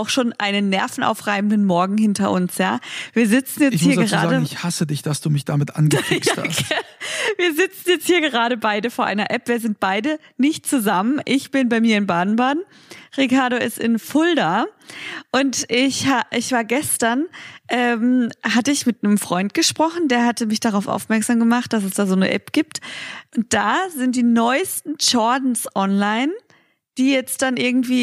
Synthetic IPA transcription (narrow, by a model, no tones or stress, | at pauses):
aʊxʃoːnʔaɪnənːɛɐfn̩ʔa̰ʊfʁ̥aɪbn̩dənmɔɐɡŋ̩hɪntɐʔʊ̰nsjaːviːɐzɪt͡sn̩jɛt͡shiːɐəʁaːaːdəŋɪçhasədɪçd̥asd̥uːmɪçd̥amɪtʔa̰nɡəaːha̰saviːɐzɪt͡sn̩jɛt͡sthiːɐɡəʁ̞aːɾəbaɪdəfoːɐʔa̰ɪnɐʔɛpv̥iːɐzɪnt̚b̥aɪdə | nɪçt̚t͡suzamənʔɪçb̥ɪnbaɪmiːɐɪnbaːdn̩baːdn̩ | ʁikaɐɾoɪstɪnfʊlda | ʔʊntɪçhaʔɪçv̥aːɐɡɛstɐnʔɛːmɦatəɪçmɪtnəmfʁ̥ɔʏnt̚ɡ̥əʃpʁ̥ɔχn̩deːɐɦatəmɪçd̥aʁaʊfʔa̰ʊfmɛɐkz̥aːmɡəmaχt̚d̥as̬ɛsd̥aːzoːnə̰ʔɛ̰pɡ̥iːp̚tʔʊnt̚d̥aːzɪnt̚d̥iːnɔʏstn̩ʃɔɐdn̩sʔɔnlaɪn | d̥iːjɛt͡std̥anʔɪɐɡŋ̩tv̥iː